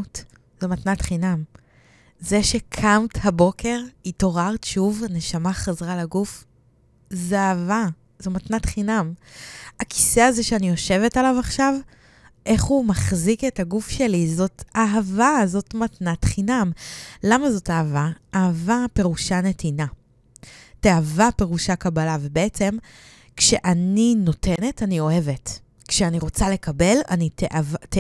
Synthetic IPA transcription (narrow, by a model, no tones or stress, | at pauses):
t | zomatnatχinam | zeʃe̞kʰamthabo̞kʰe̞ʁito̞ʁaʁtʃuvne̞ʃamaχazʁalaɡuf | zeava | zomatnatχinam | aki̥seaze̞ʃeanijo̞ʃe̞vetalavaχʃav | ʔe̞χhumaχzike̞taɡufʃe̞lizo̞taɦavazo̞tmatnatχinamlamazo̞taɦavaːhavape̞ʁuʃane̞tina | teavape̞ʁuʃakabalavebeet͡se̞m | kʃeʔanino̞tʰe̞ne̞tanio̞he̞ve̞t | kʃeaniʁo̞t͡sale̞kabe̞la̰niteʔavt